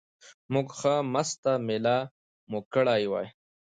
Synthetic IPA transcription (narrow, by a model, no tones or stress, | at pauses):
muɡxamast̪amela | mukəɽaːjwa̰ːj